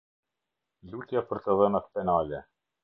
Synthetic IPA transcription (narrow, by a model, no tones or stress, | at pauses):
lʲukjapəɾt̪əðənat̪pɛnalʲɛ